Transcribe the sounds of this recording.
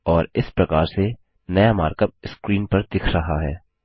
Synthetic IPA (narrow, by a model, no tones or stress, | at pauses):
ɔːɾɪspɾɐkaːɾse | nɐjamaːɾkəb̚skɾiːnpɐɾd̪ɪkʰɾɐɦaɦɛː